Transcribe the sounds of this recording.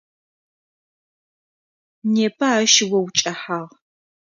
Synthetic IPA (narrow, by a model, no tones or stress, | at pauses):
neːpʰɐaːʃɪwɐwt͡ʃʼɐħaʁ